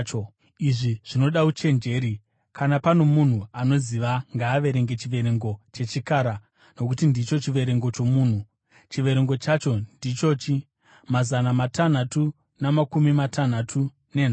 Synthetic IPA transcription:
o | iʐiʐ̥ino̞ɗaut͡ʃe̞nd͡ʒe̞ːɾi | kʰanapano̞mun̤uano̞ziʋaŋɡaːʋe̞ɾe̞ŋɡe̞t͡ʃiʋe̞ɾe̞ŋɡo̞t͡ʃe̞t͡ʃikaːɾa | no̞kutindit͡ʃo̞t͡ʃiʋe̞ɾe̞ŋɡo̞t͡ʃo̞muːn̤u | t͡ʃiʋe̞ɾe̞ŋɡo̞t͡ʃat͡ʃo̞ndit͡ʃo̞t͡ʃi | mazanamatan̤atu | namakumimatʰan̤atʰu | ne̞n̤a

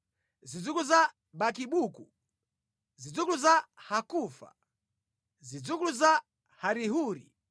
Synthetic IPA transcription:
zid͡zukuza | bakiɓuku | zid͡zukluzahakufa̰ | zid͡zukluza | haɾihuːɾḭ

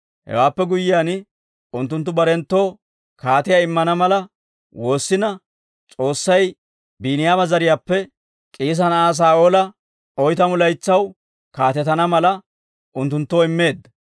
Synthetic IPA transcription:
hɛ̰waːpːɛɡʊjɪjaːn | ʊnt̪ːʊnt̪̬ːʊbɐɾɛnt̪ːo̞ː | kaːt̪ɪjaɪmːɐnɐmɐlɐ | wo̞ːsːɪnɐ | t͡sʼo̞ːsːɐj | biːnɪjaːbɐzɐɾɪjaːpːɛ | kʼiːs̬ɐnɐaːs̬aːoːlɐ | ɔjt̪ɐmʊlɐjt͡sːɐw | kaːt̪ɛt̪ɐnɐmɐlɐ | ʔʊnt̪ːʊnt̪ːoːɪmːe̞ːd̪ːɐ

